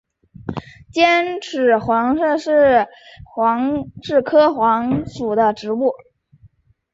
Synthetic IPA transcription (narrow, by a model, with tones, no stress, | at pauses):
t͡ɕjɛ˥nʈ͡ʂʰɻ̩˨˥xwɑ˧˥ŋʂɤ˥˧ʂɻ̩˥˩xwɑ˧˥ŋʈ͡ʂɻ̩˥˩kʰɤ˥xwɑ˧˥ŋsu˨˩d̪ə˦ʈ͡ʂɻ̩˧˥u˥˩